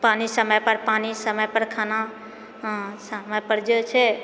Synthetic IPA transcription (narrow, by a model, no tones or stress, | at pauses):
panisəməjpəɾpanisəməjpəɾkʰanã | səməjpəɾd͡ʒet͡ʃʰɛ